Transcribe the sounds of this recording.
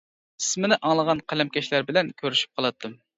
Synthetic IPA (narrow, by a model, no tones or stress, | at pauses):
i̥smɪnɪʔɑŋlˠəʁɑnqʰælɛmkʲɛʃlæɾbɪlɛnkʲʰøɾyʃy̥p̚qʰɑlˠɑt̪ʰːɨm